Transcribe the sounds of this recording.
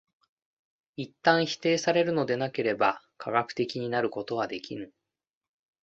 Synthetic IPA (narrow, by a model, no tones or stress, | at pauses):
it̪ːãɰ̃çi̥t̪e̞ːsaɾe̞ɾɯ̟no̞d̪e̞nake̞ɾe̞ba | kʰaɡakɯ̟̥t̪e̞kʲiɲ̟inaɾɯ̟ko̞t̪o̞βad̪e̞kʲinɯ̟